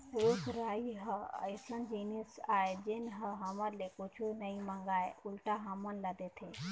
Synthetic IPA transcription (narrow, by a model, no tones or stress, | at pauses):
ekɾaiɦəə̰jsənd͡ʒinisaed͡ʒenɦəɦəməɾlekut͡ʃʰunəĩməŋɡaːeʊlʈaɦəmənləd̪et̪ʰe